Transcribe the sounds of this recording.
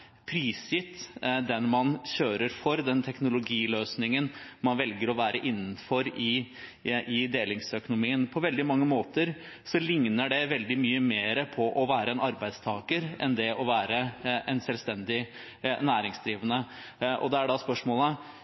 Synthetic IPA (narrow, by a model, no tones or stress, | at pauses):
pʰɾiːsɪt̪d̪ɛnmɑnɕøːɾəɾfɔɾd̪ɛnt̪ʰɛknʊlʊɡiːløːsnɪŋənmɑnʋɛlɡəɾɔʋæːɾəʔɪnːn̩fɔɾɪ | ɪd̪eːlɪŋsœkʊnʊmiːənpʰɔʋɛld̪ɪmɑŋːəmoːt̪əɾ | sɔlɪŋnəɖɛʋɛld̪ɪmyːəmeːɾəpʰɔʔɔʋæːɾəɛnɑɾbæɪd̪st̪ʰɑːɡəɾʔɛ̰nd̪ɛɔʋæːɾəʔɛnsɛlʋst̪ɛnd̪ɪ | næːɾɪŋsd̪ɾiːʋənə | ʔɔ̰d̪ɛæɖɑspœʂmoːlə